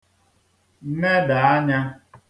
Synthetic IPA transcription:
m̩˦me˦da˨a˦ɲa˦

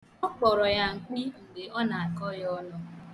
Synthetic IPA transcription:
ɔ˦k͡pɔ˨ɾɔ˨ja˦ŋ̩˨k͡pi˦ŋ̩˨ɡe˨ɔ˦na˨a˨kɔ˦jɔ˦nɔ˦

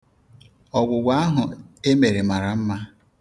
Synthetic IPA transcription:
ɔ˨ɡʷʊ˨ɡʷa˦a˦ɦʊ˨e˦me˨ɾe˨ma˨ɾa˨m̩˦ma˦

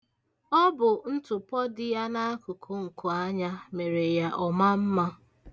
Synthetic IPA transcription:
ɔ˦bʊ˨n̩˦tʊ˨pɔ˦dɪ˦ja˦na˦a˦kʊ˨kʰo˦ŋ̩˨kʊ˨a˦ɲa˦me˨ɾe˨ja˦ʔɔ˨ma˦m̩˦ma˦

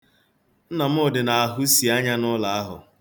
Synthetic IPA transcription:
n̩˦na˨m̩˦ʊ˦˨dɪ˨na˨a˨ɦu˦si˨a˦ɲa˦nʊ˦la˨a˦ɦʊ̰˨

